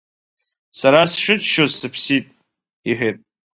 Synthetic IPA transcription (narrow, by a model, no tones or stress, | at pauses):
saɾasʂɨt͡ʃʰʃozsɨpʰsitʼ | iħʷᶣetʼ